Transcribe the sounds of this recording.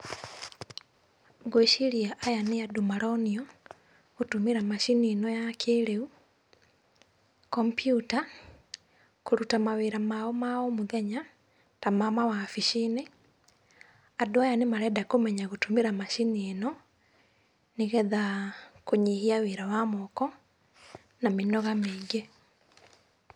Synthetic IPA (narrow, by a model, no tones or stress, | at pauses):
ɡwoeʃiɾiaʔajaneadomaɾɔniɔ | ɣotumiɾamaʃinienɔjakʰeɾeu | kɔmpjuta | koɾutamaweɾamaɔmaomoðɛɲa | tamamawafiʃine | adoajanemaɾɛdakomɛɲaɣotumeɾamaʃinienɔ | neɣɛðakoɲihiaweɾawamɔkɔ | namenɔɣameɡe